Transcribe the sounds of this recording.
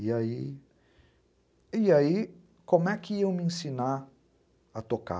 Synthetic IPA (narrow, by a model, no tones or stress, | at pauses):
ai | ijai | komɛkiewminsina | at̪oka̰